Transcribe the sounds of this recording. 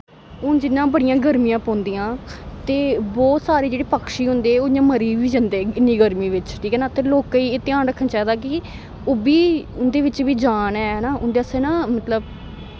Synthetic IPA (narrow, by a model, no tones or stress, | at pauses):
ʊnd͡ʒɪnːãːbəɽɪijãːɡəɾmijãːpɔ̃ːnd̪iːjãːt̪eːbɔːt̪saːɾeːd͡ʒeːɽiːpəkʰʃiːɦʊnd̪eːɛːoːɪɲãːməɾiːʋiːd͡ʒənd̪eːɪnːiːɡəɾmiːʋɪt͡ʃʈʰiːkɛːnaːt̪ʰeɾloːkːiːeːt̪ɪaːnɾəkʰːənt͡ʃaːd̪aːkɪ | ʊːbiːʊnd̪eːʋɪt͡ʃʋiːd͡ʒaːnɛːnaːʔʊnd̪eːəseːnãːmət̪ləb